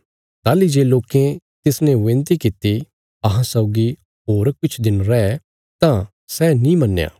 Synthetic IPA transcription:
t̪aːlid͡ʒeːloːkẽ | t̪ɪsnẽʋẽnt̪ikɪt̪i | ɐɦãsɔʊɡi | ɦoːɾkʊt͡ʃʰd̪ɪnɾɛɛ | t̪ã | sɛnĩmɐnːja̰ː

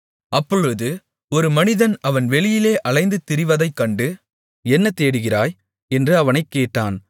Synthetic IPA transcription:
ʔɐpːɔɻɯðɯ | ɔɾɯmɐnɪðɐnɐʋɐnʋɛɭɪjɪleːʔɐɭɐɪnd̪ɯt̪ɪɾɪʋɐðɐɪkːɐɳɖɯ | ɛnːɐt̪eːɽɯɣɪraːj | ɛndrɯɐʋɐnɐɪkːeːʈːaːn

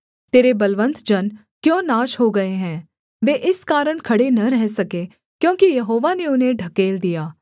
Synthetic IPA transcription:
t̪eːɾebɐlʋə̃nt̪d͡ʒɐn | kjõːnaːʃɦoɡɐeɦɛ̃ː | ʋeːʔɪskaːɾəɽ̃kʰɐɽenɐɾɛɦsɐkeː | kjõːkijɐɦoːʋaneʊnɦẽɖʱɐkeːld̪ijaː

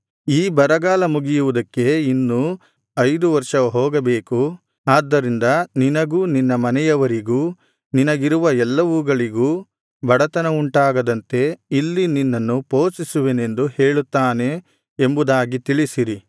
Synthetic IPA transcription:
iːbɐɾɐɡaːlɐmuɡijuʋud̪ɐkːe̞inːu | ɐjd̪uʋɐɾʂɐɦɔːɡɐbeːku | aːd̪ːɐɾind̪ɐninɐɡuːninːɐmɐnɛjɐʋɐɾiɡuː | ninɐɡiɾuʋɐɛlːɐʋuɡɐɭiɡuː | bɐɽɐt̪ɐnɐuɳʈaːɡɐd̪ɐnt̪e̞ilːininːɐnːupoːsisuʋene̞nd̪uheːɭut̪ːaːne̞ | embud̪aːɡit̪iɭisiɾi

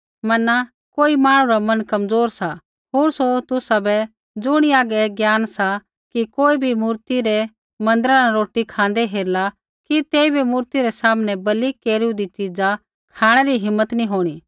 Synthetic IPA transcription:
mɐna | koːimaːɽ̃ũɾamɐnkɐmd͡zoːɾsa | ɦoːɾsot̪ʊsabɛ | d͡zʊɽ̃iaːɡɛːɡjaːnsa | kikoːibʱimuːɾt̪iɾɛ | mɐ̃nd̪əɾanaɾoːʈikʰãːn̆d̪eɦeːɾla | kit̪eːibʱimuːɾt̪iɾɛsaːmnɛbɐlikːeːɾũd̪it͡ʃid͡za | kʰaːɽ̃ɛɾiɦɪmːət̪nĩɦoːɽ̃iː

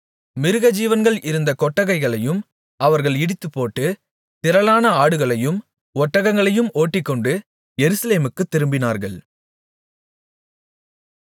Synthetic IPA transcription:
mɪɾɯɣɐd͡ʒiːʋɐnɡɐɭɪɾɯnd̪ɐkɔʈːɐɣɐɪɣɐɭɐjɯm | ɐʋɐɾɣɐɭɪɽɪt̪ːɯpːoːʈːɯ | t̪ɪɾɐlaːnɐaːɽɯɣɐɭɐjɯm | ɔʈːɐɣɐŋɡɐɭɐjɯmoːʈːɪkːɔɳɖɯ | jɛɾɯsɐleːmɯkːɯt̪ːɪɾɯmbɪnaːɾɣɐɭ

